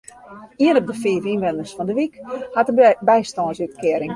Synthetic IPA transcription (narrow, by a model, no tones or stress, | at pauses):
iənɔp̚dəfiəvinʋɛndərsfɔndəʋikhatəbɛjstɔːnsyt̚kɪəɾɪŋ